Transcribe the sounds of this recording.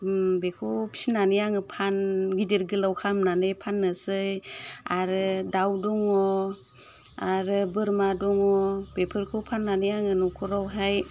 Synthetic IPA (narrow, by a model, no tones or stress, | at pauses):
bekʰupʰi̥sinanijaŋɯpʰanɡideɾɡɯlawkʰamnanɯjpʰanːɯsɯjaɾɯdawdɔŋɔ | aɾɯbɯɾmadɔŋɔbepʰɯɾkʰɯpʰanːanijaŋɯnɔkʰuɾawɦaj